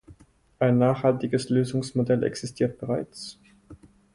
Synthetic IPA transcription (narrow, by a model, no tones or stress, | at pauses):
ʔaɪnːaːχhaltɪɡəsløːzʊŋsmodɛlʔɛ̰ksɪstʰiːɐt̚b̥əʁaɪt͡s